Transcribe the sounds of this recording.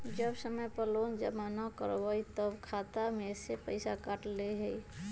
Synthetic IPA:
d͡ʒəbsəməjpəloːnd͡ʒəmanakə̰ɾʋait̪əbkʰaːt̪amesepəɪsakaʈleɦəi

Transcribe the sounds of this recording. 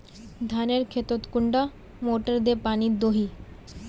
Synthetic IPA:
d̪ʱaneɾkʰet̪ot̪kuɳɖa | moʈəɾd̪epanid̪oɦi

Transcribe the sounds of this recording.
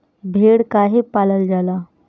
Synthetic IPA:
bʱeɽkaɦepaləld͡zala

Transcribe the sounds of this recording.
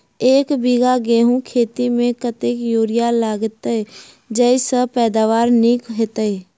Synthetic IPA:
eːkbiɡaɡeːɦũkʰeːt̪imẽkət̪ekjoːɾɪjalaːɡt̪ | d͡ʒɛɪsəpɛːd̪aːʋaːɾnikɦet̪əe

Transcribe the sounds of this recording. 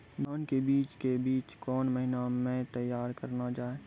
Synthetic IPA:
d̪ʱaːnkebiːt͡ʃkebiːt͡ʃkɔːnməɦɪnamẽt̪əjːaːɾkəɾnad͡ʒaːe

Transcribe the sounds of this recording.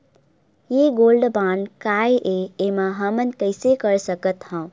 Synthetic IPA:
jeɡoːlɖbaːnkaːeʔeemãɦəmənkəɪsekəɾsəkət̪hãː

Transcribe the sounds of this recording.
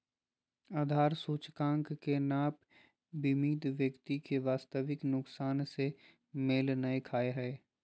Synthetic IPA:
aːd̪ʱaːɾsuːt͡ʃkãːŋkkenaːp | bimiːd̪ʋjəkt̪ikeʋaːst̪əʋɪknʊksaːnse | meːlnɐekʰaːeɦɛː

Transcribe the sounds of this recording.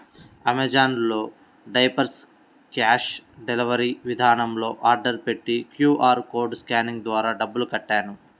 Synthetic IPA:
ɐmed͡ʒaːnlo̞ː | ɖɐjpɐɾs | kaːʃɖeliʋɐɾiʋid̪ʱaːnɐmlo̞ːʔaːɾɖɐɾpe̞ʈːikjuːʔaːɾko̞ːɾɖskaːniŋɡd̪ʋaːɾaːɖɐbːulukɐʈːaːnu

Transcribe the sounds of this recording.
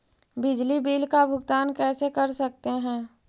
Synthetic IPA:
bɪd͡ʒlibiːlkabʱʊɡt̪aːnkɛːsekɐɾsɐk̚t̪eɦɛ̃ː

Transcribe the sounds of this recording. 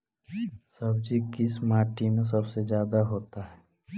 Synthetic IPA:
sɐbd͡ʒikɪsmaːʈimẽs̬ɐbsezjaːd̪aɦoːt̪aɦɛː

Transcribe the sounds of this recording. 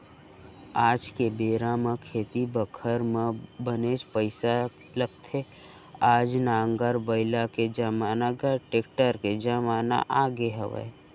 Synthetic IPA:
aːd͡ʒkebeːɾamẽkʰeːt̪ibəkʰəɾmẽbəneːd͡ʒpəɪsa | ləɡt̪ʰe | aːd͡ʒnaːŋɡəɾbəɪlaked͡ʒəmaːnaɡəʈeːkʈəɾked͡ʒəmaːna̰ʔaːɡeɦəʋḛː

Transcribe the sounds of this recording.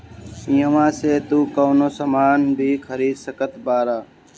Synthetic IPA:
ĩːəʋãːseːt̪uːkoːnoːsəmaːnbʱiːkʰəɾiːsəkət̪baːɾaː

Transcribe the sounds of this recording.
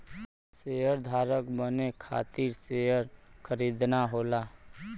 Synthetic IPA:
sejəɾd̪ʱaːɾəkbənekʰa̰ːt̪iɾsejəɾkʰəɾid̪naɦoːla

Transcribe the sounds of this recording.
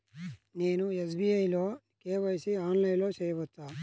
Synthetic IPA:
neːnues̬biːɐjloː | keːʋɐjsiaːnlɐjlo̞ːt͡ʃeːjɐʋɐt̪ːaː

